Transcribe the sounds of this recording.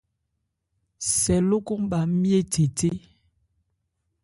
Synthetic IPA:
sɛ˨lo˦ko˦m˦ba˨˦mje˦te˨te˦

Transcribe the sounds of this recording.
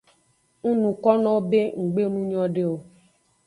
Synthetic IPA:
ŋũ˦nũ˨kɔ˦nɔ̃˦o˦be˦ŋ̩˨ɡ͡be˦nũ˦ɲɔ̃˦ɖe˦o˨

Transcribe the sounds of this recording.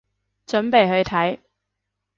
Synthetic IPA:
t͡ʃɵ˨˥npe˨jɦɵ˧ɥt̪ʰɐ˨˥j

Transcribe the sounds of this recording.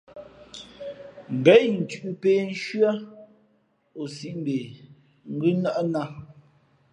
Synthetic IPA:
ŋ̩˨ɡɛ˨˦ʔn̩˨tʉ˨ʔu˨pe˨n̩˦ʃɥa˦ | o˨si˦ʔm˦be˨ | ŋ̩˦ɡʉ˦na˦ʔna˦

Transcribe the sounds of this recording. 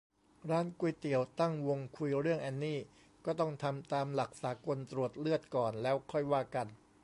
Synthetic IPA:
ɾaː˦˥nku˧jt̪i˨˩əwt̪a˥˩ŋwo˧ŋkʰu˧jɾɯ˥˩əŋʔɛː˧nːiː˥˩ | kɔː˥˩t̪ɔ˥˩ŋt̪ʰa˧mt̪aː˧mla˨˩k̚saː˩˦ko˧nt̪ɾu˨˩ət̪̚lɯ˥˩ət̪̚kɔː˨˩nlɛː˦˥wkʰɔ˥˩jwaː˥˩ka˧n

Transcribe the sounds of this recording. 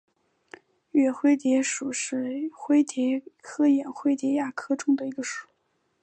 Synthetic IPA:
ɥɛ˨˩xwe˥ɪt̪jɛ˧˥ʂu˨˩ʂɻ̩˥˩xwe˥ɪt̪jɛ˧˥kʰɤ˥jɛ˨˩nxwe˥ɪt̪jɛ˧˥ja˥˩kʰɤ˥ʈ͡ʂʊ˥ŋd̪ə˨˩i˧˥ɡə˧ʂu̥˨˩˦

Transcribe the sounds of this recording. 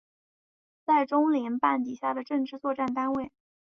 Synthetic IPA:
t͡sa˥˩ɪʈ͡ʂʊ˥ŋli˧˥npa˥˩nt̪i˨˩ɕja˥˩d̪ə˩ʈ͡ʂɤ˥˧ŋʈ͡ʂɻ̩˥˧t͡swɔ˥˧ʈ͡ʂa˥˩nt̪a˥nwe˥˩ɪ

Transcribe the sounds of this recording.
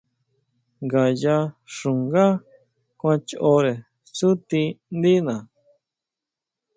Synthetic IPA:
ŋɡa˨ja˧ʂũ˨ŋɡa˦ | kʷã˧t͡ʃo˧ɾe˨ | su˦t̪i˧nd̪i˦nã˨

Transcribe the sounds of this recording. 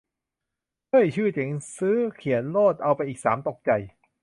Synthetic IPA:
kɤː˥˩jt͡ɕʰɯː˥˩t͡ɕe˨˩˦ŋsɯː˦˥kʰi˨˩˦ənloː˥˩t̪̚ʔa˧wpa˧jʔiː˨˩k̚sa̰ː˩˦mt̪o˨˩k̚t͡ɕa˨˩j

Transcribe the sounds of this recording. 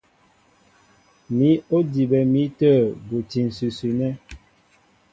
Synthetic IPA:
mi˨˦o˦di˨bɛ˨mi˦təː˦˨bo˨ti˨n̩˨sʉ˨sʉ˨nɛ˦

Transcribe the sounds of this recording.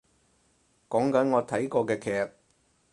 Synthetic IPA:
kɔː˨˥ŋkɐ˨˥nŋɔː˨˧t̪ʰɐ˨˥jkɔː˧kɛː˧kʰɛː˧k̚

